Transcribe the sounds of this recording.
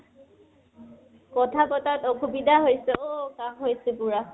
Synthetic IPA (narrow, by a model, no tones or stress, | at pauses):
kɔtʰapɔtatɔkʰubidʱaɦojsɛokamɦojsɛpʊɹa